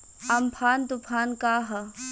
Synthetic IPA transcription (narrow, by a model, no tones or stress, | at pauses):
ɐmpʰaːnd̪upʰaːnkaːɦɐ